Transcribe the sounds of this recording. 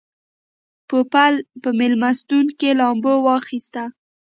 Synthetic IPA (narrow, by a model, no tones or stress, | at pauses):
popalpəmɪlmast̪unkelɑmbowɑxist̪a